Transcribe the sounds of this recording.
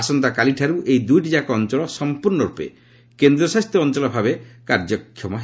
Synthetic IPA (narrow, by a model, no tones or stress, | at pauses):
asɔnt̪akaliʈʰaɾuʔejd̪ujʈid͡ʒakɔɔnt͡ʃɔlɔsɔmpuɾnɔɾupḛ | kend̪ɾɔsast̪jɔːnt͡ʃɔlɔbʱabekaɾd͡ʒɔkʰːjɔmɔɦ